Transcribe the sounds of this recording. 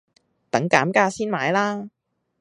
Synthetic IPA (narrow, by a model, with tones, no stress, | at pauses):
t̪ɐ˨˥ŋkaː˨˥mkaː˧˥siː˥nmaː˨˧˥jlaː˥